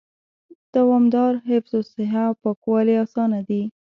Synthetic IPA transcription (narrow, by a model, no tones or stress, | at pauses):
d̪̥awɑmd̪ɑɾɦɪfzosɪɦapəkwɑliɑsɑnad̪i